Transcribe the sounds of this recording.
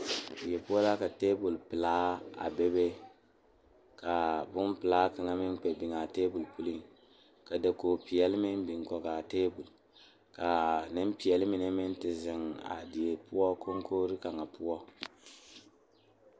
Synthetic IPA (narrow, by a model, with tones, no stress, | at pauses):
di˨je˨pu˦ɔ˦la˦ka˨te˦bu˨lpɨ˨laː˦a̰˨be˦be˦ | ka˨bʊ˦m˦pɨ˨laː˦ka˨ŋa˦mɪ˦nk͡pɛ˨bi˨ŋa˨teː˦bu˨lpu˦li˦ŋ | ka˨da˨ko˨pi˨jɛ˦lmɪ˦nbi˨ŋkɔ˨ka˨teː˦bu˨l | ka˨nɪ˦m˦pi˨jɛ˨lmi˨nɛ˦mɪ˦n˦tɪ˨zɪ˨ŋa̰˨di˨je˨pu˦ɔ˦ko˦ŋ˦ko˦ɾi˦ka˨ŋa˨pu˦ɔ˦